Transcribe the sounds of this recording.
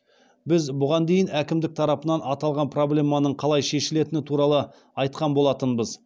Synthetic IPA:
bɪzbʊʁɑnd̪e̞jɪnækʲɪmd̪ɪk̚t̪ʰɑɾɑpənɑnɑt̪ɑlˠʁɑnpʰro̞blʲe̞mːɑnəɴqʰɑlˠɑjʃe̞ʃɪle̞t̪ɪnɪt̪ʰuɾɑlˠə | ɑjt̪qɑnbo̞lˠɑt̪ənbəz

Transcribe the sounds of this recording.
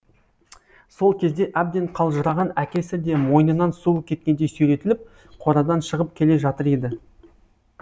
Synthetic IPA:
so̞lˠkʲʰe̞zd̪e̞ʔæb̚d̪e̞ɴqʰɑlˠʒəɾɑʁɑnækʲe̞sɪd̪e̞mo̞jnənɑnsulˠəkʲʰe̞t̪̚kʲe̞nd̪ejsɵjɾe̞t̪ɪlɪp̚ | qʰo̞ɾɑd̪ɑnʃəʁəp̚kʲʰe̞le̞ʒɑt̪əɾed̪ɪ

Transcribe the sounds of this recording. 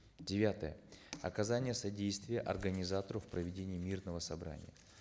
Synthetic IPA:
dʲɪvʲat̪əjə̰ɐkɐzanʲɪjəsɐdʲejst̪vʲɪjəʔɐrɡənʲɪzat̪əɾʊfpɾəvʲɪdʲenʲɪjːmʲirnəvəsɐbɾa̰nʲɪ̰jə

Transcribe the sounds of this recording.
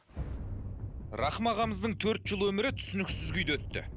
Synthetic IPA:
ɾɑχəmɑʁɑməzd̪əɴt̪ʰɵɾt̪ʒəlˠwɵmɪɾɪt̪ʰʏ̥sɪnɪksɪzɡʲʏjd̪wɵt̪ːɪ̰

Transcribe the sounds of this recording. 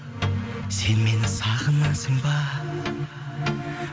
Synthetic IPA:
senmenɪsaʁənasəmba

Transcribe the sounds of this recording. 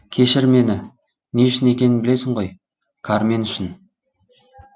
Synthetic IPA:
kʲʰe̞ʃɪɾme̞nɪ | neʏʃɪne̞kʲe̞nɪnbɪle̞sɪɴʁo̞j | kʰaɾme̞nʏʃɪn

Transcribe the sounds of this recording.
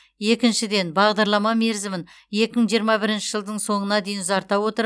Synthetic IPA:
je̞kʲɪnʃɪd̪e̞nbɑʁd̪ɑɾlˠɑmɑme̞ɾzɪmɪn | je̞kʲɪməɴʒijəɾmɑbɪɾɪnʃɪʒəlˠd̪əɴso̞ɴənɑd̪e̞jɪnzɑɾt̪ɑwo̞t̪əɾ

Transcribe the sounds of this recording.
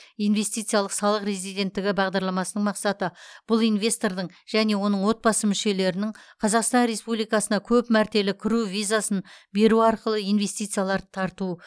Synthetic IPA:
ijnve̞st̪ijt̪sɨjɑlˠəqsɑlˠəqɾe̞zijd̪e̞nt̪ːɪɡʲɪbɑʁd̪ɑɾlˠɑmɑsənəɴmɑqsɑt̪əb̥ʊlˠijnve̞st̪o̞ɾd̪əɴ | ʒ̥æne̞wo̞nəɴwo̞t̪̚bɑsəmʏʃe̞le̞ɾɪnɪɴqʰɑzɑqst̪ɑnɾe̞spublijkɑsənɑkʲʰɵpmæɾt̪e̞lɪkʲʰɪɾuvijzasənbe̞ɾuɑɾqəlˠəijnve̞st̪ijt̪sɨjalˠɑɾt̪ʰɑɾt̪u

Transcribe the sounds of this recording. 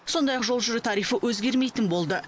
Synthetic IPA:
so̞nd̪ɑjɑqʒo̞lˠʒʏɾet̪ʰɑɾijfəʔwʔɵzɡʲe̞ɾme̞jt̪ɪnbo̞lˠd̪ə

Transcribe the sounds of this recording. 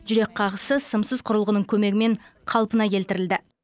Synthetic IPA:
ʒʏɾe̞k̚qʰɑʁəsəsəmsəzqʰʊɾəlˠʁənəŋkʲʰɵme̞ɡʲɪme̞ɴqʰɑlˠpənɑkʲʰe̞lt̪ɪɾɪld̪ɪ

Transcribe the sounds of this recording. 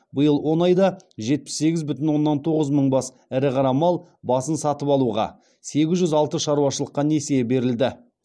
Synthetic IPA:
bəjəlˠwo̞nɑjd̪ɑʒe̞t̪̚pɪ̥sːe̞ɡʲɪzbʏt̪ɪnwo̞nːɑnt̪ʰo̞ʁəzməɴbɑs | æɾɪqʰɑɾɑmɑlˠ | bɑsənsɑt̪əpɑlˠuʁɑ̰ | se̞ɡʲɪzʒʏzɑlˠt̪əʃɑɾuɑʃəlˠəqːɑne̞sebe̞ɾɪld̪ɪ

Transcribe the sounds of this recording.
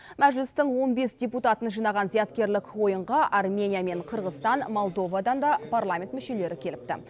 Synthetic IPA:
mæʒlɪst̪əɴwo̞nbe̞sdʲe̞put̪ɑt̪ənʒijnɑʁɑnzijɑt̪kʲe̞ɾlɪkwo̞jəɴʁɑʔarmʲe̞nʲijame̞ɴqʰəɾʁəst̪ɑnmo̞lˠd̪o̞vad̪ɑnd̪ɑpʰarlˠamʲe̞nt̪mʏʃe̞le̞ɾɪkʲʰe̞lɪp̚t̪ɪ̰

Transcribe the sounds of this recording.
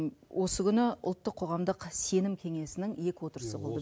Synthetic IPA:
wʔo̞səkʲʏnɪʊ̰lˠt̪ːəqʰːo̞ʁɑmd̪əqse̞nɪmkʲʰe̞ŋe̞sɪnɪŋje̞kʲɪwo̞t̪əɾəsəbolˠd̪ə

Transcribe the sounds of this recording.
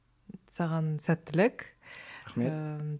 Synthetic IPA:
sɑʁɑnsæt̪ːɪlɪk | e

